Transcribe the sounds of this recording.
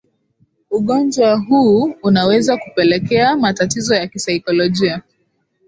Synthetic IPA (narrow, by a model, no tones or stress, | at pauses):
uɠɔnd͡ʒwaɦuːunawɛzakupɛlɛkɛamatatizɔjakisaikɔlɔʄia